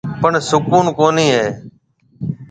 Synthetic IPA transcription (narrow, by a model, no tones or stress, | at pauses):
pəɳsʊkuːnkoːniːɦeː